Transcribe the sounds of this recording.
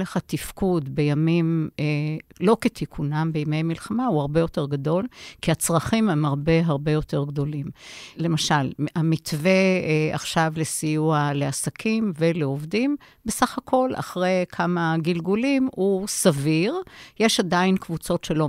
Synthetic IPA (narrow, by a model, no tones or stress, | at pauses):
leχat̪ifkudbe̞jamimelo̞ket̪ʰikʰunambejmejmilχamauhaʁbe̞jo̞teʁɡado̞lkiat͡sʁɐχimhemaʁbe̞ɦaʁbe̞jo̞te̞ʁɡd̪o̞limle̞maʃalamitvea̰χʃavle̞sijuale̞asakʰimveleovdim | besaχakʰo̞la̰χʁejkʰamaɡilɡulimusaviʁjeʃadainkvut͡so̞tʃelo̞